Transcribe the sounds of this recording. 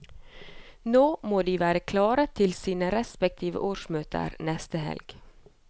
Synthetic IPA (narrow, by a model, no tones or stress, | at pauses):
noːmoːd̪iːʋæːɾəkʰlɑːɾət̪ʰɪlsiːnəɾɛspɛk̚t̪ʰiːʋə̰ʔoːʂmøːt̪ʰə̰ɾnɛst̪əɦɛ̰lɡ̥